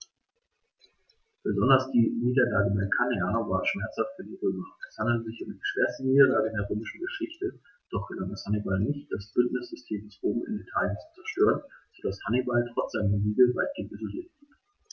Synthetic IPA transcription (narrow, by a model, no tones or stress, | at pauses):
b̥əzɔndɐsd̥iːniːdɐlaːɡəbaɐkʰaneavaːɐʃmɛɐt͡shaftfyːɐdiːʁøːmɐɛshandl̩tzɪçʊmdiːʃv̥eːɐstn̩niːdɐlaːɡədeːɐʁøːmɪʃn̩ɡəʃɪçtə | d̥ɔχɡ̥əlaŋdashanibalnɪçt̚d̥asb̥ʏntnɪsz̥ʏstʰeːmdɛsʁoːbm̩ɪ̰nitʰaːljənt͡su̥t͡sɛɐʃtøːʁənz̥odashanibaltʁ̥ɔt͡sz̥aɪnɐziːɡləvaɪt̚ɡ̥eːntizoliːɐtv̥iɐt